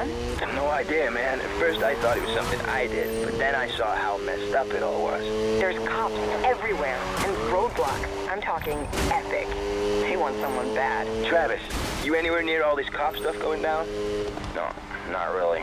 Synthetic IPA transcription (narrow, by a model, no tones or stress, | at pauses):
n | noʊaɪdiɨmæ̃nɨ̰tfɜ˞staɪθɔɾɨt̚wʌz̥sʌ̃mθɪ̃ŋʔa̰ɪdɪ̰d̚b̥ʌt̪̚ðɨ̃ñaɪsɔhaʊmɛ̰stʌpɨɾɔ̰lˠwʌ̰z̥ðə˞z̥kʰɑpsɛvɹiwɛɹ | ɨ̃nɹoʊd̚blɑk | ʔãɪ̃mtʰɔkɪ̃ŋ | ɛpɪk | ðeɪwɑ̃ntsʌ̃mwʌ̃nbæd̥tʰɹ̥ævɨsjɨɛñiwɛɹnɪɹɔlˠðiz̥kʰɑpstʌfɡ̥oʊɪ̃ŋdãʊ̃n | no̰ | nə̰t̚ɹɪlˠḭ